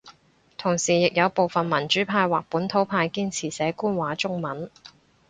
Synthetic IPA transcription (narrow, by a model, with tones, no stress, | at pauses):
t̪ʰʊ˨˩ŋsiː˨˩jɪ˨k̚jɐ˨˧wpo˨˧wfɐ˨nmɐ˨˩nt͡ʃyː˨˥pʰaː˧jwaː˨k̚puː˨˥nt̪ʰo˨˥wpʰaː˧jkiː˥nt͡sʰiː˨˩sɛː˨˥kuː˥nwaː˨˥t͡sʊ˥ŋmɐ˨˥n